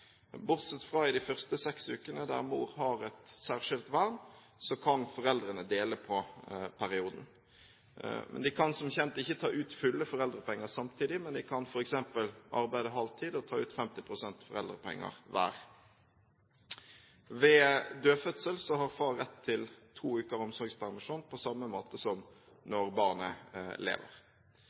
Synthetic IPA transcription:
bʊʁt̪sɛt̪ːfʁɑːɪd̪ɪfœʁst̪əsɛksʉːkənəd̪æ̰ʁmṵːɾhɑɾɛt̪sæːʁʂɪlt̪ʋæʁn | sɔkʰɑnfɔʁɛld̪ɾənəd̪eːləpʰɔpʰæɾɪuːd̪n̩ | mɛ̰nd̪ɪkʰɑnsɔmçɛnt̪əɪçːət̪ʰɑːʔʉːt̪fʏlːəfɔʁɛld̪ʁəpʰɛŋːəsɑmt̪ʰiːd̪ɪmɛnd̪ɪkʰɑnfɔɾɛksɛmpəlʔɑ̰ɾbæɪd̪əɦɑlt̪ʰiːd̪ɔt̪ʰɑːʉːt̪fɛmt̪ɪpʰʁʊsɛnt̪fɔʁɛ̰ld̪ʁəpʰɛ̰ŋːə̰ʁʋæ̰ːɾ | ʋɛd̪øːfœt̪səlsɔhɑʁfɑːɛt̪ʰːɪlt̪ʰuːʉːkəʁɔmsɔʁɡspʰæʁmɪʂuːnpʰɔsɑmːəmoːt̪əsɔm | nɔʁbɑːʁnə̰lḛːʋə̰ʁ

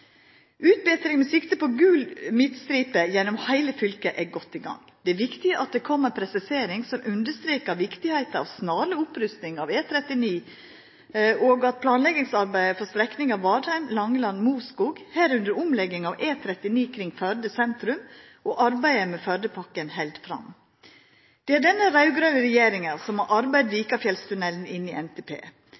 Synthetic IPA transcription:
ʔʉːt̪̚bɛːt̪ɾɪŋmɛsɪkt̪əpɔɡʉːlmɪt̪st̪ɾiːpəjɛnːɔmhæɪləfʏlkəʔɛɡɔt̪ːɪɡɑ̰ŋː | d̪̥ɛːʋɪkt̪ɪəʔɑt̪̚d̪ɛkʰɔmːəpʰɾɛsɪseːɾɪŋsɔmʔʉnd̪əʂt̪ɾeːkɑʋɪkt̪ɪhæɪt̪ɑɑ̰ʋsnɑːləʊpɾʉst̪nɪŋɑːʋeːt̪ʰɾɛt̪ɪniː | ʔoːɡɑt̪̚pʰlɑːnlɛɡɪŋsɑɾbæɪəfɔst̪ɾɛknɪŋɑʋːɑːɾhæɪmlɑŋːəlɑnːmuːskuːɡhæːɾʉnd̪əɾʊmlɛɡɪŋɑʋʔeːt̪ʰɾɛt̪ɪniːkʰɾɪŋfœɾd̪əsɛnt̪ɾʉm | ʔɔːʔɑɾbæɪəmɛfœɾd̪əpʰɑkːənhɛld̪fɾɑ̰m | d̪̥ɛæɖɛnːəɾɑʉɡɾœnəɾɛjeːɾɪŋəɾsɔmɑʔɑɾbæɪd̪liːkɑfjɛlst̪ʉnɛln̩ɪnːɪʔɛnt̪ʰɛpʰḛː

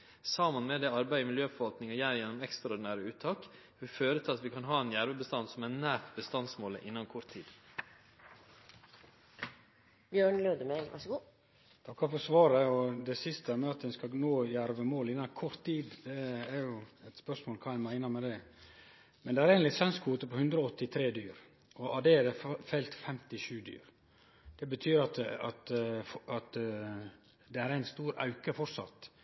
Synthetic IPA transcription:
sɑmənmɛd̪ɛɑɾbæɪəmɪljøːfɔɾʋɑlt̪nɪŋɔjæːɾjɛnːɔmɛkst̪ɾɑɔɖ̪ɪnæːɾəʉːt̪ʰːɑːk | ʋɪføːɾət̪ʰɪlɑt̪ʋɪkʰɑnɦɑːɛnjæɾʋəbəst̪ɑnsɔmænæːɾt̪bəst̪ɑnsmoːlə̰ʔɪnːɑnkʰɔɾt̪ʰːiːd̪̥ | bjøːɳløːd̪əmelʋɑ̰ʂəɡuː | t̪ʰɑkːɑɾfɔsʋɑːɾəɔd̪ɛsɪst̪əmɛɑt̪̚d̪ɛnskɑnoːjæɾʋəmoːlɪnɑkʰɔɾt̪ʰːiːd̪d̪ɛːɾjʊɛt̪spœʂmoːlkʰɑːæɪnmæɪnːɑmɛd̪ɛ | mɛnd̪ɛæɾɛːɡnlɪsɛnskʰuːt̪əpɔhʉnd̪ɾəɔɔt̪ːɪt̪ʰɾeːd̪yːɾ | ɔʔɑd̪ɛd̪ɛfɛlt̪fɛmt̪ɪʃʉːd̪y̰ːɾ | d̪̥ɛbət̪ʰyːɾɑt̪ɑt̪ɑt̪ | d̪ɛæɾæɪnst̪uːɾɑ̰ʉkəfɔʈsɑ̰t̪ː

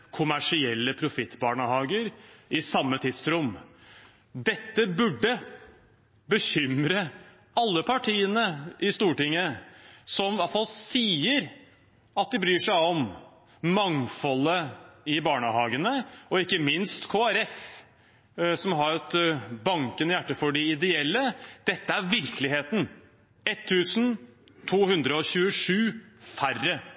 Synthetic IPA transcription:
kʰʊmæʂɪɛlːəpʰɾʊfɪt̪ːbɑːɳəhɑːɡəɾɪsɑmːət̪ʰɪd̪sɾʊm | d̪ɛt̪ːəbʉɖːə | bəçʏmɾə | ɑlːəpʰɑʈʰiːənəʔɪst̪uːʈɪŋːəsɔmʋɑfɑlsiːəɾ | ɑt̪̚d̪ɛbɾyːʂæɪɔmː | ɑŋfɔlːəɪbɑːɳəhɑːɡənəɔɪkːəmɪnst̪kʰoːæɾɛf | sɔmɦɑɾɛt̪bɑŋkənjæʈːəfɔɖɪɪd̪ɛɛlːəd̪̥ɛt̪ːəæɾʋɪɾklɪɦeːt̪n̩ | ɛt̪ʰːʉːsn̩ | t̪ʰuːhʉnd̪ɾəɔɕʉːəʂʉːfærːə

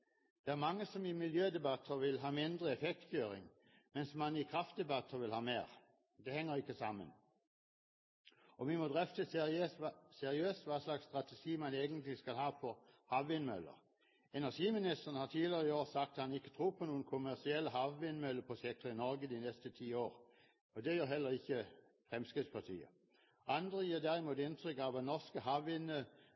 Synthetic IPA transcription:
d̪̥ɛæʁmɑŋːəsɔmɪmɪljøːd̪ɛbɑt̪ʰːəʁʋɪlɦɑːmɪnd̪ʁəɛfɛk̚t̪føːɾɪ̰ŋ | mɛnsmɑnɪkʰʁɑft̪̚d̪ɛbɑt̪ʰːəʁʋɪlhɑːmeːʁ | d̪ɛhɛŋːəʁɪkːəsɑmːə̰n | ɔʋɪmɔd̪ʁɛft̪ə | sɛʁɪøːst̪ʋɑːslɑkst̪ʁɑt̪ɛʂiːmɑneːɡənt̪lɪskɑlhɑːfɔʁhɑʋʋɪnmœ̰lːə̰ʁ | ɛnæʁʂiːmɪnɪst̪əʁənəhɑt̪ʰiːlɪʁəɪoːʁsɑkt̪t̪hɑnɪkːə̥t̪ʰʁuːpʰɔnuːənkʰʊmæʁsɪɛlːəhɑʋʋɪnmœlːəpʰɔsɛk̚t̪əɪnɔʁɡəd̪inɛst̪ət̪ʰiːoːʁ | ɔd̪ɛjøːʁɦɛlːəʁɪçːə | fʁɛmskʁɪt̪spʰɑt̪ʰḭːə̰ | ʔɑnd̪ʁəjiːd̪æʁɪmuːt̪ɪnt̪ʰʁʏkɑʋʋɑnɔʁskəɦɑʋɪnə

